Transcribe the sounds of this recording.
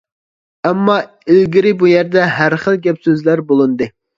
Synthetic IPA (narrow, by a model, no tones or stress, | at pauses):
ɛmːɑ | ɪlɡʲiɾɪbujɛɾd̪ɛɦæɾχəlˠɡʲɛpsøzlæɾbolˠɨnd̪ɨ